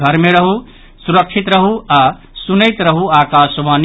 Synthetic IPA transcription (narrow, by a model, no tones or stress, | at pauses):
ɡʱəɾmeɾəɦu | suɾəkʃʰit̪ɾəɦuaː | sunəjt̪ɾəɦuaːkaːsʋaːn